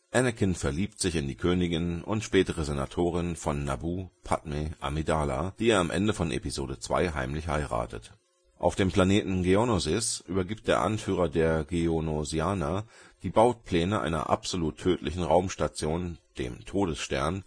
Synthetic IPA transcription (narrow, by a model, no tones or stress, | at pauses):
ʔɛnəkʰɪnfɛɐliːptz̥ɪçɪndiːkʰøːnɪɡɪnʊ̰ntʃpɛːtəʁəzena̰tʰoːʁɪnfɔnːa̰buːpʰa̰tmeʔa̰midaːla̰d̥iːeːɐamʔɛ̰ndəfɔnʔḛpizoːdət͡sv̥a̰ɪɦa̰ɪmlɪçha̰ɪʁa̰ːtʰə̰t | ʔa̰ʊfd̥eːmpl̥aneːtn̩ɡeonozɪsʔyːbɐɡiːp̚t̚d̥eːɐʔa̰nfyːʁ̞ɐdeːɐɡeonoziaːnad̥iːbaʊt̚pʰlɛːnəʔa̰ɪnɐ̰ʔa̰pz̥oluːtʰːøːtʰlɪçn̩ʁaʊmʃtat͡sjoːnd̥ḛːmtʰoːdəsʃtɛ̰ɐn